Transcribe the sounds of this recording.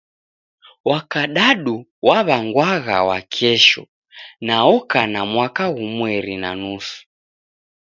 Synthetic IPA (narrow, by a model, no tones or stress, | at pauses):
wakaɗaɗuwaβaŋɡwaɣa̰wa̰kʰɛʃɔ̰ | naɔkanamwakaɣumwɛɾina̰nusu̥